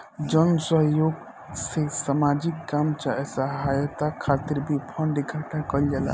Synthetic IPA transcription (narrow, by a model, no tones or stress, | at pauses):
d͡ʒənsəɦjoɡ | sesamad͡ʒikkamt͡ʃaɛsəɦajət̪akʰat̪iɾbʱipʰə̃ɳɖiɡʱəʈʰãkəld͡ʒala̰